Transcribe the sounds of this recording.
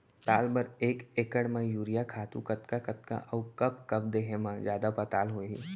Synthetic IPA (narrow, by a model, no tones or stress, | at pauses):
t̪aːlbɐɾeːkeːkəɽmãjuːɾijakʰaːt̪ũkɐt̪kakɐt̪ka̰ʔɔʊkɐb̚kɐbd̪eːɦẽmãzjaːd̪apɐt̪aːlɦoːḭ